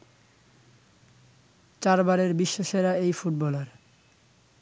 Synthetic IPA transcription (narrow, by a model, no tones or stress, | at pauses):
t͡ɕaɾbaɾeɾbiʃːoʃeɾaejfuʈ̚bɔlaɾ